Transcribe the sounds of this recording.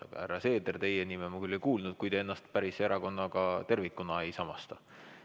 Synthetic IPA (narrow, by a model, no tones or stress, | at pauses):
ɑ̰ɡ̥ɑ̰hæɾːɑse̞ːd̪ert̪e̞jenimemukylʲːejkuːlnud̪̥̚kujd̪̥ee̞nːɑst̪̚pæɾiseɾʔɑko̞nːɑkɑt̪e̞rvikːˑunɑe̞jsɑmɑst̪ɑ